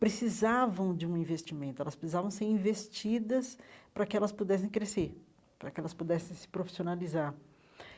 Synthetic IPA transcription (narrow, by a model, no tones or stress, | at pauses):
pɾesizavɐ̃w̃d͡ʒɪũĩvest͡ʃimẽnt̪ʊɛlɐspɾesizavɐ̃w̃seɾĩvest͡ʃid̪ɐspɾɐkɪɛlɐspud̪ɛs̬ẽj̃kɾeseɾ | pɾɐkɪɛlɐspud̪ɛsẽj̃sɪ̥pɾofi̥sionalizaɾ